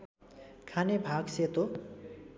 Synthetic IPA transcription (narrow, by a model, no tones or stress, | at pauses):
kʰanebʱaɡset̪o